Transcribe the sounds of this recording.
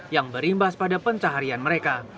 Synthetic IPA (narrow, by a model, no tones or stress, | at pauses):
jaŋbəɾimbaspadapəɲt͡ʃaɦaɾianməɾeka